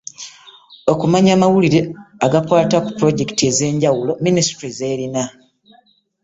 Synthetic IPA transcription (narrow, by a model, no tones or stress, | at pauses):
o̞kumaɲaːmawuliɾe̞aɡapwaːtaku̥pɾo̞ɟe̞ki̥tie̞ze̞ːɲɟawulo̞minisi̥tɾize̞ːɾina